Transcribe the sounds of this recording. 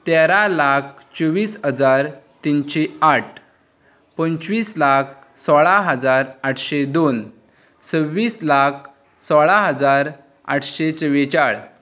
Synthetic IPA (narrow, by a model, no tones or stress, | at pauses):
t̪eɾalakʰ | t͡ɕəʋiːsɦəd͡zaɾt̪inɕeaʈ̚ʰ | pənt͡ɕʋiːslak̚ʰ | sɔɭaɦəd͡zaɾaʈʰɕed̪on | t͡səʋːiːslak̚ʰ | sɔɭaɦəd͡zaɾ | a̰ʈʰɕet͡səʋet͡ɕaɭ